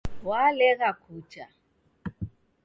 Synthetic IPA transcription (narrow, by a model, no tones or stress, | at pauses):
walɛɣakʰut͡ʃa